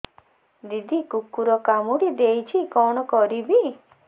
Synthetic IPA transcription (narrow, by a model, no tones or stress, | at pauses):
d̪id̪ʱikukːuɾɔkamuɽid̪ejt͡ʃʰikɔɽ̃ɔkɔɾibi